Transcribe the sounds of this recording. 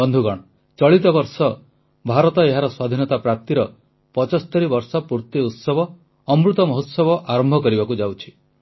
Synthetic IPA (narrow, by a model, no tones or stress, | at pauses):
ɔnd̪ʱuɡɔɽ̃ɔ | t͡ʃɔɭit̪ɔbɔɾsɔ | bʱaɾɔt̪ɔeɦaɾɔswad̪ʱinɔt̪apɾap̚t̪iɾɔ | pɔt͡ʃɔst̪ɔɾibɔɾsɔpuɾt̪iut̪sɔbɔː | mɾut̪ɔmɔɦot̪sɔbɔʔaɾɔmbʱɔkɔɾibakud͡ʒawt͡ʃʰi̥